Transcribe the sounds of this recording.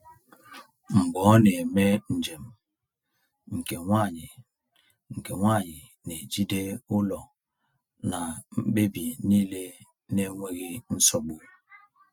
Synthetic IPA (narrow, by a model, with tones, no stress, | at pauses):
ŋ͡m̩˨ɡ͡bɔ˨˦ne˨me˦n̩˨d͡ʒe˨m | ŋ̩˨ke˨ŋʷa˦˨ɲi˨ | ŋ̩˨ke˨ŋʷa˦˨ɲi˨ | ne˨d͡ʒi˦de˦u˦lɔ˨ | na˨m̩˦ɓe˦bi˨ni˦le˦ | ne˦ŋʷe˦ɣi˦n̩˦sɔ˦bu˨